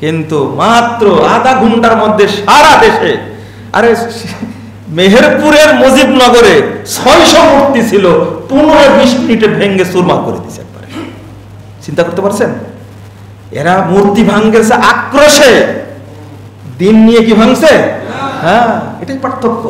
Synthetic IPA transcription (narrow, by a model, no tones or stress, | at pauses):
kint̪umat̪ːɾoad̪aɡʱuɳʈaɾmod̪ʱːeʃaɾad̪eʃe | a̰ɾe | meɦeɾpuɾeɾmod͡ʑibnɔɡoɾesʰɔjʃɔmuɾt̪it͡ɕʰilopunoɾebiʃminiʈebʱeŋɡesuɾmakoɾḛd̪it͡ɕʰeɛ̰k̚e̥ba̰ɾe | t͡ɕint̪akoɾt̪epaɾt͡ɕʰen | ḛɾamuɾt̪ibʱaŋɡesʰeʔakːɾoʃe | d̪inːijekibʱaŋsʰeɦɛ̃eʈajpaɾt̪ʰːokːo